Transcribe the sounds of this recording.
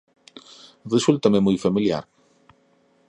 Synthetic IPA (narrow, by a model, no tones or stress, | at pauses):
result̪ɐmemujfamilja̰ɾ